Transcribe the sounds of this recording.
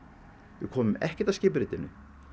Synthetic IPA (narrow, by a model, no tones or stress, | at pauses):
vɪ̰kʰɔːmʏmɛhcɛt̪avscɪːp̬ʏɾɪːt̪ɪnʏ̰